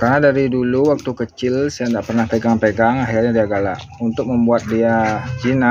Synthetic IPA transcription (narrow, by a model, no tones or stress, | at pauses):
karnadaɾiduluwak̚t̪ukət͡ʃɪlsajandaʔpərnahpəɡaŋpeɡaŋaɦirɲadiaɡala̰ʔ | unt̪ʊk̚məmbuat̪̚diad͡ʒina